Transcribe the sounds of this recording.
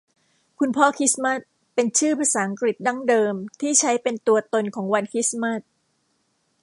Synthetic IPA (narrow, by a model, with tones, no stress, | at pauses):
kʰu˧npʰɔː˥˩kʰi˦˥sma˥˩t̪̚ | pe˧nt͡ɕʰɯː˥˩pʰaː˧saː˩˦ʔa˧ŋkɾi˨˩t̪̚da˥˩ŋdɤː˧mt̪ʰiː˥˩t͡ɕʰa˦˥jpe˧nt̪u˧ɐt̪o˧nkʰɔː˩˦ŋwa˧nkʰi˦˥sma˥˩t̪̚